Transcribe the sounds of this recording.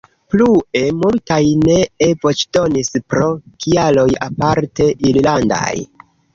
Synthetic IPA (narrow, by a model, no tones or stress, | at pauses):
plue̞multajne̞evo̞t͡ʃdo̞nispɾo̞kʰialo̞japaɾte̞ʔiɾlanda̰j